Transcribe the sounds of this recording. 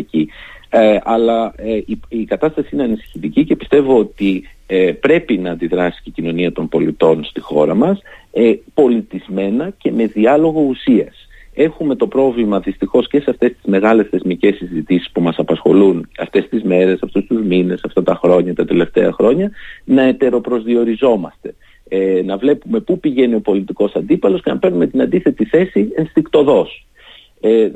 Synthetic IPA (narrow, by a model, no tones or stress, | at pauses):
ci | ɐlɐiikɐt̪ɐst̪ɐsiine̞ɐnisi̥çit̪icice̞pist̪e̞vo̞ot̪iepɾe̞pinɐːnd̪iðɾɐsi̥cicino̞niɐt̪o̞mbo̞lit̪o̞nst̪ixo̞ɾɐmɐspo̞lit̪izme̞nɐce̞me̞ðiɐlo̞ɣo̞usiɐs | e̞xume̞t̪o̞pɾo̞vlimɐðist̪ixo̞sce̞seɐft̪e̞st̪izme̞ɣɐle̞sθe̞zmice̞sizit̪isi̥spumɐsɐpɐsxo̞̰lunɐft̪e̞st̪izme̞ɾe̞sɐft̪ust̪uzmine̞sɐft̪ɐt̪ɐxɾo̞ɲɐt̪ɐt̪e̞le̞ft̪e̞ɐxɾo̞ɲɐnɐe̞t̪e̞ɾo̞pɾo̞zðio̞ɾizo̞mɐst̪e̞̥ | nɐvle̞pume̞pupiʝe̞nio̞po̞lit̪iko̞sɐnd̪ipɐlo̞sce̞nɐpe̞ɾnume̞t̪inɐnd̪iθe̞t̪iθe̞sienst̪ikt̪o̞ðo̞s